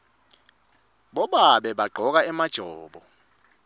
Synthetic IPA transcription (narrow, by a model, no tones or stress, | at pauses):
ɓɔɓaɓɛɓaɡ͡ǃʱɔk̬aɛmad̥ʒ̥ʱɔːɓɔ